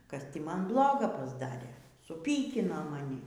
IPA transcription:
kɐs ˈtʲiː ˈmɐn ˈblˠoːɡɐ pɐzˈdɑːrʲeː sʊˈpʲiːkʲɪnoː mɐˈnʲɪ

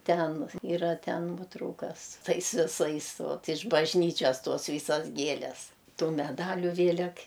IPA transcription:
ˈtʲɛn iːˈrɐ ˈtʲɛn ˈnuɔtrɐʊkɐs ˈtɐɪs ʋʲɪˈsɐɪs ˈʋɐt ɪʃ bɐʒʲˈnʲiːt͡ʃʲɛs ˈtoːs ˈʋʲiːsɐs ˈɡʲiɛlʲɛs ˈtuː mʲɛˈdɑːlʲʊ ˈʋʲeːlʲɛk

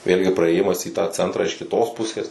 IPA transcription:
ˈʋʲeːlʲɡʲɪ prɐeːˈjɪmɐs iː tɑː ˈt͡sʲɛntrɑː ɪʃ kʲɪˈtoːs ˈpʊsʲeːs

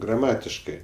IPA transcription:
ɡrɐˈmɑːtʲɪʃkɜ

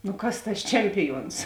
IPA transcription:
nʊ ˈkɐs tɐs ˈt͡ʃʲɛmʲpʲɪˌjuɔns

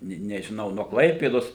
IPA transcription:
ˈnʲɛ nʲɛʒʲɪˈnɐʊ nuɔ ˈklˠɐɪpʲeːdoːs

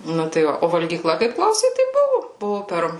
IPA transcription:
ˈnʊ tɐɪ ˈʋɐ oː ʋɐlʲɡʲiːˈklˠɐ kɐɪp ˈklˠɐʊsʲɛɪ tɐɪ ˈbʊʋʊ ˈbʊʋʊ ˈpʲɛr

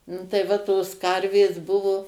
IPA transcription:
ˈnʊ tɐɪ ˈʋɐ toːs ˈkɐrʲʋʲeːs ˈbʊʋoː

